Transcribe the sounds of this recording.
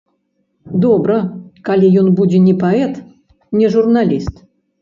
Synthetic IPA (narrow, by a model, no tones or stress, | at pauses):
d̪obɾəkalʲijonbudʲɪnʲɪpɐɛt̪ | nʲɪʐurnalʲist̪